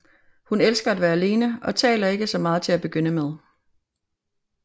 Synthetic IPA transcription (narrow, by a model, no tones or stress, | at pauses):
hunelsɡ̥ɐæd̥ʋæːɐæle̝ːnəɒ̽t͡sʰɛ̰ːlɐe̝ɡ̥əsɒ̽mɑ̈ːð̩ˠt͡sʰe̝læb̥e̝ɡ̥øn̰əmeð̞ˠ